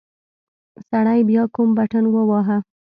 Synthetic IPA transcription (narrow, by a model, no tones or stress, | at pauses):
saɽajbjɑkumbaʈənwəwɑɦa